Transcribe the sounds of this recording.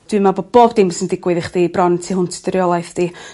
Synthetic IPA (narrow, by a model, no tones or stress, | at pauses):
d̥wɨmabob̥oːbdɪmsəndɪɡwɨðɪχd̥iːbrɔntʰiɦʊntʰd̥ɪɾjɔlˠajθd̥i